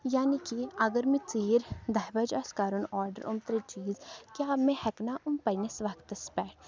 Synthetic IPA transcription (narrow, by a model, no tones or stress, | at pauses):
jaːnikiɐɡəɾmĩt͡siːɾd̪ɐɦbɐd͡ʒɐskaːɾunɔːɾɖəɾʔʊmt̪ɾit͡ʃiːzkjaːmẽhɛknaʔʊmpɐjnesʋɐkt̪ɐspɛːʈ